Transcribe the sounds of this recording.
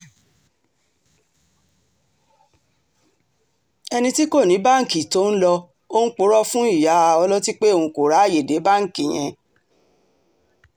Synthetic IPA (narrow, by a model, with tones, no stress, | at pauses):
ɛ˧nĩ˧ti˦ko˦˨nĩ˨˦ba˦ŋ̩˨ki˨to˨˦n̩˦lɔ˧ | o˦n̩˦k͡po˦ɾɔ˦fũ˦i˦˨ja˨˦˧ɔ˧lɔ˦ti˦k͡pe˦o˦˨ũ˧ko˨ɾa˨˦˨je˨de˨˦ba˦ŋ̩˨kĩ˨j̃ɛ̃˧